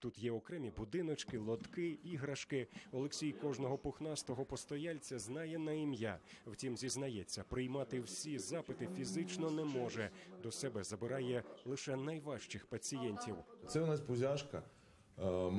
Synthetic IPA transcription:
t̪ut̪jɛɔkɾɛmʲibʊd̪ɪnɔt͡ʃkɪlˠɔd̪kɪiɦɾɐʃkɪɔlˠeksʲijkɔʒnɔɦɔpʊxnɑst̪ɔɦɔpɔst̪ɔjalʲt͡sʲɐznɑjɛnɐimja | wtʲimzʲiznɐjɛt͡sʲːɐpɾɪjmɑt̪ɪwsʲizɑpɪt̪ɪfʲizɪt͡ʃnɔnɛmɔʒɛd̪ɔsɛbɛzɐbɪɾɑjɛlˠɪʃɛnɐjʋɑʃt͡ʃɪxpɐt͡sʲijɛnʲtʲiwt̪sɛʊnɑspʊzʲaʃkɐ

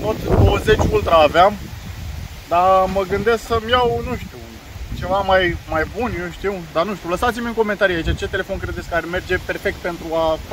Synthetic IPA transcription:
t̪ot̪d̪owəze̞t͡ʃʲult̪ɾaːveam | d̪aməɡɨnd̪e̞sksəmijawnuʃt̪iw | t͡ʃe̞vamajmajbunjewʃt̪iwd̪anuʃt̪iuləsat̪simʲɨŋko̞ment̪aɾiait͡ʃat͡ʃe̞t̪elefo̞nkɾe̞d̪et̪sʲkaɾeme̞rd͡ʒe̞pe̞rfe̞kt̪̚pe̞nt̪ɾua

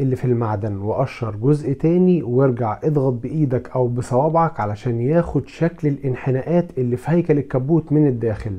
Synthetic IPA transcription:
ʔelːifilmaʕd̪ænweʔɑʃhɑɾˤɡozʔt̪æːniwjeɾɡaʕʔed̪ˤɣɑt̪̚beʔiːd̪ækʔæwbɪsˤɑwɑːbʕɑkʕalæʃæːnjæːxod̪ʃæklelʔɪnħenæːʔæːt̪ʔelːiːfihæjkælekːæbuːt̪mɪned̪ːæːxɪl

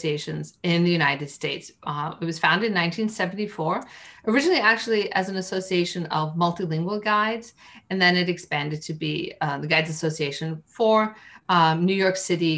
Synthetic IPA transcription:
sieɪʃɨ̃nzɪ̃nðɨjʉnaɪɾɨd̥steɪtsɪt̚wʌz̥fãʊ̃ndɨ̃nːãɪ̃ntʰĩnsɛvn̩tifɔɹʔə˞ɪd͡ʒɨnl̩ˠiæk̚t͡ʃʉl̩ˠiʔɨzn̩ɨsoʊsieɪʃɨ̃nʌvmʌlˠtilɪ̃ŋɡwəl̩ˠɡaɪdz̥ɨ̃nðɨ̃nɨɾɨkspæ̃ndɨd̚tʰɨbiðɨɡaɪdzɨsoʊsieɪʃɨ̃nfə˞ | nʉjɔɹksɪɾi

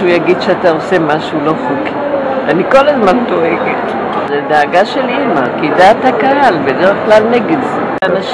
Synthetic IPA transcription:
ujaɡid̪ʃeataose̞maʃulo̞χuk | ʔaniko̞lazmant̪oʔeket | zedaːɡaʃe̞limakidaːt̪hakaɦalbedeʁeχklalneɡedz | anaʃ

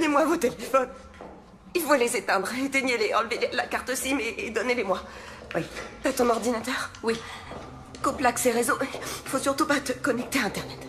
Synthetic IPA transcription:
ɔnemwavot̪elefɔn | ilfõlezet̪ɛ̃d̪ʁet̪eɲeleɑ̃lvella̰kaʁt̪osimeːd̪ɔnelemwa | wiat̪ɔ̃nɔʁd̪inat̪œʁwi | koplakseʁezoifosyʁt̪upat̪əkɔnɛk̚t̪eɛ̃t̪ɛʁnɛt̪

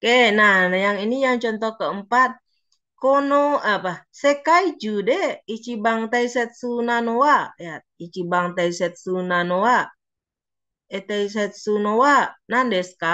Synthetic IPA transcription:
kɛnanjaŋinijaŋt͡ʃɔnt̪ɔhkəəmpat̪̚ | kɔnoapasɛkaid͡ʒudɛit͡ʃibaŋt̪aisɛt̪̚sunanowajat̪̚it͡ʃibaŋt̪aisɛt̪̚sunanowa | ɛt̪ais̬ɛt̪̚sunowanandɛska

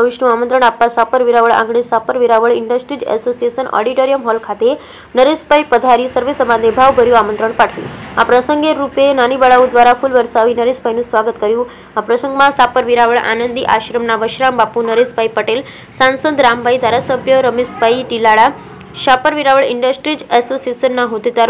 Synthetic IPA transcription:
əʋiɕʈũamənt̪ɾəɳ̃apːasapəɾʋiɾaʋəɭã̰ŋɡɽesapəɾʋiɾaʋəɭiɳɖəsʈɾid͡ʑɛ̰sosiesənɔ̰ɽiʈoɾijəmɦɔlkʰat̪e | nəɾespaipəd̪ʱaɾiːsəɾʋesəmad̪ebʱaʋbʱəɾjũamə̃nt̪ɾəɳpaʈʰʋḭ̃a̰pɾəsəŋɡeɾupenanibəɭaud̪ʋaɾafulʋəɾsaʋiːnəɾespajnũːsʋaɡət̪kəɾjũ | apɾəsə̃ŋɡmãsapəɾʋiɾaʋəɭa̰nənd̪iʔaɕɾəmnaʋəʃɾambapunəɾespaipəʈel | sãnsəd̪ɾambʱaid̪ʱaɾasəbʱjəɾəmespaiʈilaɭa | ɕapəɾʋiɾaʋəɭiɳɖəsʈɾid͡ʒɛsosiesənːaɦod̪it̪aɾ

